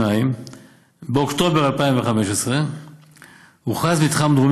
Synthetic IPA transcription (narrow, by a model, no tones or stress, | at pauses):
aim | beokt̪o̞be̞ʁalpaimveχame̞ʃesʁe | huχazmit̪χamd̪ʁum